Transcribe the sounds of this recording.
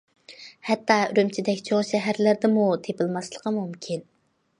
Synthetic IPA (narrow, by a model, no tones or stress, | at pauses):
hɛt̪ʰːɑyɾymt͡ʃʰid̪ɛkʲt͡ʃʰoʁʃɛɦæɾlɪɾd̪ɪmut̪ʰepɪlˠmɑslˠəqʰɑmumkʲʰin